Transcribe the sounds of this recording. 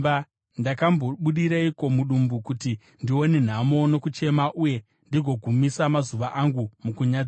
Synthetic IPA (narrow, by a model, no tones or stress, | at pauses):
ndakamboɓuɗiɾaiko̞muɗumbukuti | ndio̞ne̞n̤amo̞no̞kut͡ʃe̞maʔuje̞ | ndiɡʱo̞ɡʱumisamazuʋaʔaŋɡumukuɲa